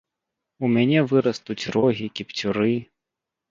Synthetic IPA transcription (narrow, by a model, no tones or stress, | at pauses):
umʲanʲɛvɨɾɐst̪ut͡sʲrɔɦʲikʲipt͡sʲʊɾɨ